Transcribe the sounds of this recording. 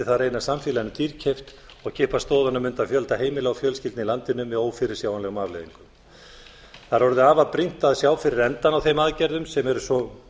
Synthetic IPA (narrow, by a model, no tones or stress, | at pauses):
ɪθaðɾeːjnasamfjɪlanʏt̪iɾcʰejft̪ | ɔɣcʰɪːhpast̪oːwðanamʏnt̪aðfjœlt̪aɦeːjmɪlaɣfjœlscɪlt̪nilant̪ɪnʏmːɛðoːwfɪɾɪ̥sjawanlɛɣʏmaːvlḛðiŋkʏm | θaɾ̥hɔɾðʏaːvaðpɾin̥t̪aðsjaːwfɪɾɪɾɛnt̪anawθejmaðcɛɾðʏmsɛmɛɾʏsɔ